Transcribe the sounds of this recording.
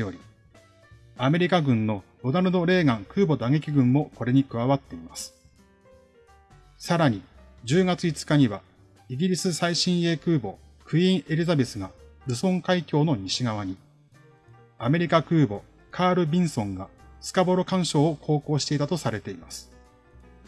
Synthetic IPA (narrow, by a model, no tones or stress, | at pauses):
jo̞ɾʲi | ame̞ɾʲikaɡɯ̟̃nno̞ɾo̞d̪aɾɯ̟d̪o̞ɾe̞ːɡãŋkɯ̟ːbo̞d̪aŋe̞kʲiɡɯ̟̃mːo̞ko̞ɾe̞ɲ̟ikɯ̟βaβat̪ːe̞imasɨ̥ | saɾaɲ̟i | d͡ʑɨːɡat͡sɨit͡sɨ̥kaɲ̟iβa̰ | iɡʲiɾʲisɨsaiɕĩɰ̃e̞ːkɯ̟ːbo̞ | kʰɯ̟ĩɰ̃ʔe̞ɾʲizabe̞sɨɡaɾɯ̟sõ̞ŋkaikʲo̞ːno̞ɲ̟iɕiɡaβ̞aɲ̟i | ame̞ɾʲikakɯ̟ːbo̞ | kʰaːɾɯ̟bʲĩɰ̃sõ̞ŋɡasɨ̥kabo̞ɾo̞kãɰ̃ɕo̞ːkʰo̞ːko̞ːɕi̥t̪e̞it̪at̪o̞saɾe̞t̪e̞imasɨ̥